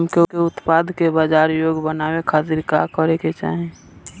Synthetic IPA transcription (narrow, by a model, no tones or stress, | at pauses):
mkekeʊt̪pad̪ʱkebaːd͡ʒaːɾjoːɡbənaːwekʰaːt̪ɪɾkakəɾeket͡ʃa̰ːɦẽ